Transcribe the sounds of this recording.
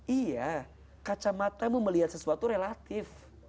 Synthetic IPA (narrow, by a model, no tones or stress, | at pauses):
ʔija | kat͡ʃamat̪amuməliɦat̪səsuat̪uɾelat̪ɪf